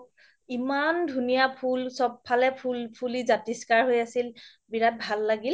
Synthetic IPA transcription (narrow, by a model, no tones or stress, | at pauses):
imandʱunijapʰulsɔb̚pʰalɛpʰulpʰulizatiskaɹɦojasil | biɹat̚bʱalːaɡil